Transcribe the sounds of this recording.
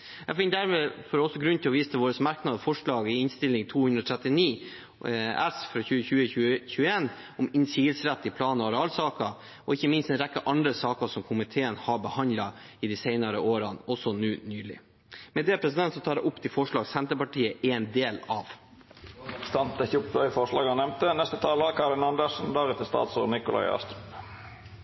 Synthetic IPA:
jæɡfɪnd̪æɾmeːfɔɾɔsːɔɡɾʉnt̪ʰɪlɔʋiːst̪ʰəʋoːɾəsmɑɾknɑd̪fɔʂɭɑːɡɪɪnst̪ɪlɪŋt̪ʰuːhʉnd̪ɾɔt̪ʰɾɛt̪ːɪniː | æ̰sfɾɑçʉːəçʉːəçʉçʉːəeːn | ɔmɪnsiːɡəlsɾɛt̪ːɪpʰlɑːnɔɑɾɛɑːlsɑːkɑ | ʔɔɪçːəmɪnst̪ɛnɾɛkːəʔɑnd̪ɾəsɑːkəsɔmkʰʊmɪt̪ʰeːənhɑɾbəhɑnd̪lɑ | ɪd̪isɛɪnɑɾəʔoːɾɑnɔsɔnʉːnyːlɪ̰ | mɛd̪ɛpʰɾɛsɪd̪ɛnt̪sɔt̪ʰɑːd̪ɛ̰ʔʊpːt̪ʰɪlfɔʂlɭɑːɡsɛnt̪əpɑʈʰiːəɛnd̪eːlɑʋ | st̪ɑnt̪əçupʋœʏfɔʁʂlɑːɡɑnɛmt̪ənɛst̪ət̪ʰɑːləkʰɑɾɪnɑnd̪əʂn̩d̪æɾʁɛt̪əɪst̪ɑ̰ːt̪so̰ːnɪkʊlʔɑ̰ɪɑ̰st̪ɾʉp

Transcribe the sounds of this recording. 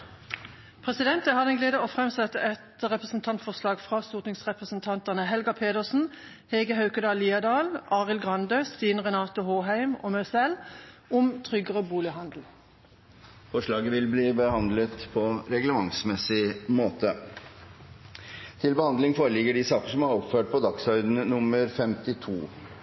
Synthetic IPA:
pʰʁɛsɪd̪ɛnt̪əhɑːd̪ɛnɡleːd̪əoːfʁɛmsɛt̪əʔɛt̪ʁɛpʁəsn̩t̪ʰɑnt̪fɔʁslɑːɡfʁɑsuːt̪ɪŋsʁɛpʁəsənt̪ʰɑnt̪ənəɦɛlɡɑpʰeːd̪əʁsn̩ | heːɡəhɑʉkəd̪ɑːliːɑd̪ɑːlɑːʁɪlɡʁɑnd̪øːst̪iːnʁɛnɑːt̪ʊhoːɦæɪmo̰ːmœsɛlʊmt̪ʰʁʏɡəʁəbuːlɪhɑnd̪l̩ | fɔʂɭɑːɡəʋɪlbliːbəhɑnd̪lət̪pʰɔɾɛɡləmɑŋsmɛsɪmoːt̪ʰə | t̪ʰɪlbəhɑnd̪lɪŋfoːɾəlɪɡəɖisɑːkəʂɔmɑɾɔpføːʈ̚pʰɔd̪ɑksœʏnənʊməɾfɛmt̪ɪt̪ʰuː

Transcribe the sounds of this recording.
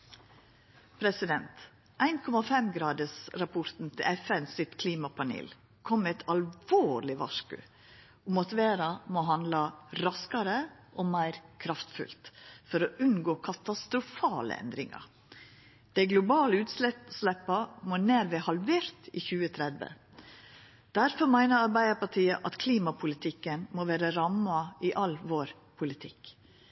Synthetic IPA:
pʰɾɛsɪd̪ɛnt̪ | ʔæɪnkʰɔmɑfɛmɡɾɑːd̪əsɾɑpʰʊɾt̪n̩t̪ʰɪlʔɛfɛnsɪt̪kʰliːmɑpʰɑnḛːl | kʰɔmːɛt̪ʰɑlʋoːɾlɪʋɑ̰ʂkʉ̰ | ʊmɑt̪ʋeːɾɑmoːɦɑnd̪lɑɾɑskɑɾəʔoːmæɪɾkʰɾɑft̪fʉ̰lt̪fɔɾoʔʉnɡoːkʰɑt̪ɑst̪ɾʊfɑːlə̰ɛ̰nd̪ɾɪ̰ŋɑ̰ | d̪̥æɪɡlʊbɑːləʉːt̪slɛslɛpːɑmoneːɾʋehɑlʋeːɾt̪ḭːçʉːət̪ʰɾɛd̪ʋə̰ | d̪̥æɾfɔɾmæɪnəɾɑɾbæɪd̪əɾpɑʈʰiːəʔɑt̪kʰliːmɑpʰʊlɪt̪ʰɪkːənmoːʋeːɾəɾɑmɑiːʔɑlʋoːɾ | pʰʊlɪt̪ʰɪk

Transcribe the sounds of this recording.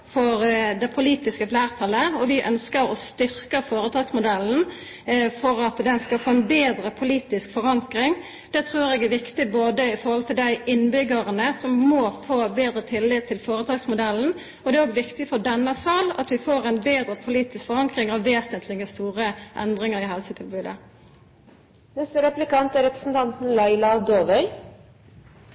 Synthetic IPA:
fɔɾd̪ɛpʰʊliːt̪ɪskəlæːʁt̪ʰɑləɔʋɪʔœ̰nskəɾɔst̪ʏɾkəfoːɾət̪ʰɑːɡsmʊd̪ɛln̩ | fɔɾɑt̪d̪ɛnskɑlfoːɛnbeːd̪ɾəpʰʊliːt̪ɪskfɔɾɑŋkɾɪŋ | d̪̥ɛt̪ʰɾʉːɾɛɡæʋɪkt̪ɪboːd̪əɪfɔɾʁhɔlt̪ʰɪld̪æɪʔɪnːbʏɡəʁənəsɔmːɔːfoːbeːd̪ɾət̪ʰɪlːɪt̪ʰːɪlfoːɾət̪ʰɑːɡsmʊd̪ɛlːn̩ | ɔd̪ɛæɾoːɡʋɪkt̪ɪfɔd̪ɛnːɑsɑːlɑ̰t̪ʋɪfoːɾɛnbeːd̪ɾəpʰʊliːt̪ɪskfɔʁɑŋkʁɪŋɑʋːeːsənt̪ʰlɪɡəst̪uːʁəʔɛ̰nd̪ʁɪŋəɾɪhɛlsət̪ʰɪlbʉːd̪ə̰ | nɛst̪əɾɛplɪkɑnt̪æɾɛpɾəsn̩t̪ʰɑnt̪n̩lɑɪlɑd̪oːʋœʏ

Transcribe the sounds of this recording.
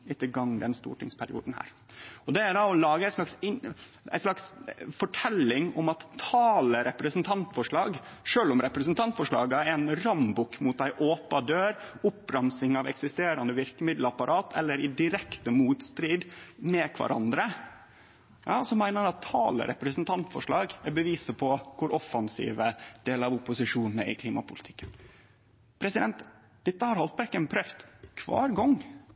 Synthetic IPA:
ɪt̪ːəɡɑŋːd̪ɛnst̪ṵːʈɪ̰ŋspʰæɾɪ̰uːd̪n̩hæ̰ːɾ | ɔd̪ɛæɖɑɔlɑːɡəæɪslɑksɪ | æ̰ɪslɑksfɔʈʰɛlːɪŋɔ̰mɑt̪ʰːɑːləɾɛpɾəsnt̪ʰɑnt̪fɔʂɭɑːɡʂøːlɔmɾɛpɾɛsnt̪ʰɑnt̪fɔʂɭɑ̰ːɡəæɾæɪnɾɑmbukmuːt̪̚d̪æɪʔoːpɑd̪øːɾʊpːɾɑmsɪŋɑʋɛ̰ksɪst̪eːɾɑnd̪əʋɪɾkəmɪd̪l̩ɑpɑɾʔɑːt̪ʰɛ̰lːəɾɪd̪ɪɾɛkt̪əmuːt̪st̪ɾiːd̪mɛkʰʋɑ̰ɾʔɑ̰nd̪ɾə | jɑːsɔmːæɪnəɾɑt̪ʰːɑ̰ːlə̰ɾʔɛ̰pɾɛsənt̪ʰɑnt̪fɔ̰ʂɭɑːɡæbəʋiːsəpʰɔkʰʊɾʔɔfɑnsḭːʋəd̪̥eːlɑʋʊpːʊsɪʂuːnn̩æ̰ɾɪ̰kʰliːmɑpʰʊlɪt̪ʰɪ̥kːən | pʰɾɛsɪd̪ɛnt̪ | d̪̥ɛt̪ːəhɑɾhɑlt̪bæɾkənpʰɾœft̪kʰʋɑ̰ːɾɡɔŋ

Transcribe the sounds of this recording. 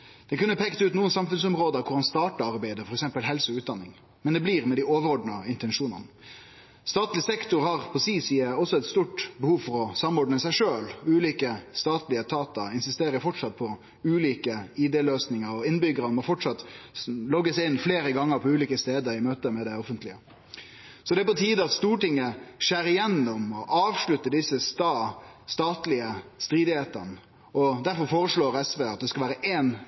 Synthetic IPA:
d̪̥ɛkʉnːəpʰɛkt̪ʉːt̪nuːənsɑmfʉnsɔmʁoːd̪əkʰʊɾɑnst̪ɑːʈəɑɾbæɪd̪əfɔɾɛksɛmpəlɦɛlsəʉːt̪̚d̪ɑnːɪŋ | mɛnd̪ɛbliːɾmɛd̪æɪoːʋəɾɔɖnɑɪnt̪ɛnʂuːnə̰nə | st̪ɑːt̪lɪsɛkt̪ʊʁhɑʁpʰɔsiːsiːəɔsɔɛt̪st̪uːʈbəhuːʋfɔɾɔsɑmɔɖnəsæɪʂøːlʉːliːkəst̪ɑːt̪lɪət̪ʰɑːt̪ɑɪnsɪst̪eːɾəɾfɔʈʂɑt̪̚pʰɔ | ʉːliːkəɪd̪eːløːsnɪŋəɾɔɪnːbʏɡəɾənmɔfɔʈʂɑt̪ːlɔɡəsɪnːfleːɾəɡɑŋːəɾpʰɔʉːliːkəst̪eːd̪əɾɪmøːt̪əmɛd̪æɪɔfənt̪lɪə | sɔd̪ɛæpɔt̪ʰiːd̪əɑt̪st̪uːʈɪŋːəʂæːɾɪjɛnːɔmɔʔɑːʋʂlʉt̪ːəd̪ɪsəst̪ɑst̪ɑːt̪lɪəst̪ɾiːd̪ɪheːt̪ə̰ɾnə | ɔd̪æɾfɔɾfoːɾəʂɭoːɾɛsʋeːɑt̪̚d̪ɛskɑlʋæːɾəʔeːn

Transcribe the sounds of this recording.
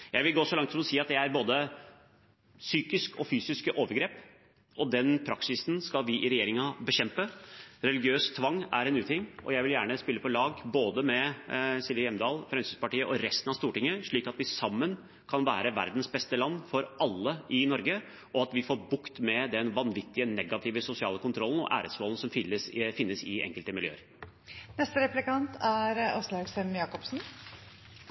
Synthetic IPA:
jæɪʋɪlɡoːsɔlɑŋt̪sɔmɔsiːɑt̪̚d̪ɛæɾboːd̪ə | syːkɪskɔfyːsɪskəʔoːʋəɾɡɾeːp | ʔɔd̪ɛnpʰɾɑksɪsnskɑlʋɪʔɪɾɛjeːɾɪŋɑbəɕɛmpəɾɛlɪɡɪøːst̪ʰʋɑŋːæɾɛnʉːt̪ɪŋːɔ̰jæɪʋɪljæːɳəspɪlːəpʰɔlɑːɡboːd̪əmɛsɪlʋɪjɛmd̪ɑːlfɾɛmsyspɑʈiːəʔɔɾɛst̪ənɑʋst̪uːʈɪŋːəʂɭiːkɑt̪ʋɪsɑmːən | kʰɑnʋæːɾəʋæ̰ɾd̪n̩sbɛst̪əlɑnːfɔɾʔɑlːəɪnɔɾɡə | ʔɔɑt̪ʋɪfoːɾbʊkt̪mɛd̪ɛnʋɑnʋɪt̪ːɪənɛɡɑt̪ʰɪːʋəsʊsɪɑːləkʰʊnt̪ʰɾɔln̩ɔ̰ʔæ̰ːɾəsmoːln̩sɔmfɪləsfɪnːəsɪɛ̰ŋkəlt̪əmɪljø̰ːəɾ | nɛst̪əɾɛplɪkɑnt̪ʰæɾɔslɑɡsɛmjɑːkɔpsn̩

